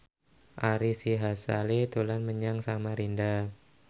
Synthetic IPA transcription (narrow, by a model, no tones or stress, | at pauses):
ʔaɾisiɦasa̰let̪ulanməɲaŋsamaɾinda